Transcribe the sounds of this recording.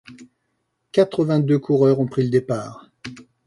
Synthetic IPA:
kat̪χəvɛ̃d̪økʰuʁœʁɔ̃pχiləd̪epaːʁ

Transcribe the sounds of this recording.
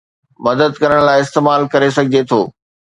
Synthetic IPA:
mɐd̪əd̪̚kɐɾəɽ̃laːɪɪst̪eːmaːlkɐɾes̬ɐɡʱɪd͡ʑet̪ʰoː

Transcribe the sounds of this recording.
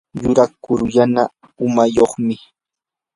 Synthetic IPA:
jʊɾakʊɾʎana | ʊmajoχmɪ

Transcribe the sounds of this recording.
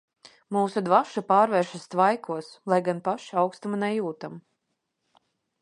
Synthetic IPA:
muːsud̪vaʃupaːɾvɛːɾʃast̪vajkʰuɔslˠajɡanpaʃawkst̪amanɛjuːt̪am

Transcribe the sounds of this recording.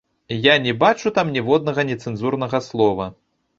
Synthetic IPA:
janʲɛbat͡ʂut̪amnʲɛvɔd̪̚nɐɣɐnʲɛt̪sɛnzurnɐɣɐslˠɔvɐ

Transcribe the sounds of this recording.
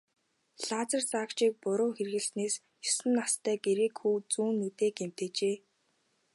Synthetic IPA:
ɬaːt͡sə̆rt͡saːkt͡ɕiːk̚pʊɾʊːxerɣɘ̆ɮneːs | jʊsɘ̆nːast̪ʰæːɡeɾeːkxuːt͡suːnːut̪eːkem̥t̪eːt͡ɕeː

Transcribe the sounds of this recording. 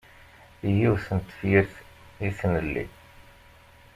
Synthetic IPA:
ijiwθənt̪ːfjiɾθ | iθnəlːḭ

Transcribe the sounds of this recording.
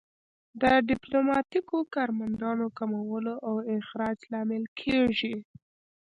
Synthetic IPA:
d̪əɖɪplomɑt̪ikokɑɾmand̪ɑnokamawəloʔawɪxɾɑd͡ʒlɑmɪlkʰeʐi

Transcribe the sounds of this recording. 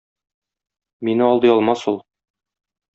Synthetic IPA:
minɘɒlˠd̪ɤjɒlˠmɑsulˠ

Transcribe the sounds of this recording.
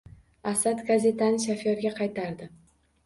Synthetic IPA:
asad̪ɡaze̞t̪ʰanɪʃ̬afjɒɾɡʲaqʰɑjt̪ʰaɾd̪ɪ

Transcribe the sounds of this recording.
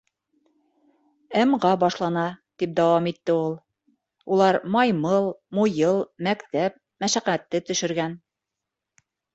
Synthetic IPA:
æmʁɑbɑʃlˠɑnɑt̪ip̚d̪æwɑmit̪ːɘulˠ | ulˠɑɾmɑjmɤlˠmujɤlˠmækt̪æp̚ | mæʃæqæt̪ːɘt̪ɵ̆ʃɘ̆ɾɡæn

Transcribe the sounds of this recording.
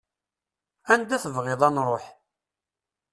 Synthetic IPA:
ænd̪æθəvʁɪðˤɑnɾˤoħ

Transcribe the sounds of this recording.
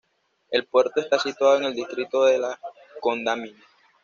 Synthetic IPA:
e̞lpwe̞ɾt̪oest̪asit̪waðoeŋe̞ld̪ist̪ɾit̪oðela | kond̪amina

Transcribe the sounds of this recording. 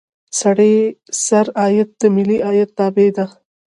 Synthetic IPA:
sɐɽesɐɾɑːjɐt̪̚d̪əmɪliʔaːjɐt̪̚nɑːbed̪a

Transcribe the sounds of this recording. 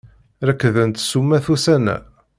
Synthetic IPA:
ɾækːðənt̪sumːæθusænæ̰

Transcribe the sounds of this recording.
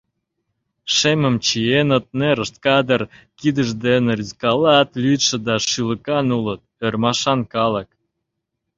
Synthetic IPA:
ʃemə̆mt͡ɕienə̆t̪̚neɾə̆ʃt̪̚kɑd̪ərkid̪əʒd̪enɾʲiskɑlɑt̪lyt̪ʃĕd̪ɑʃylə̆kɑnulət̪̚ørmɑʃɑnkɑlə̆k̚

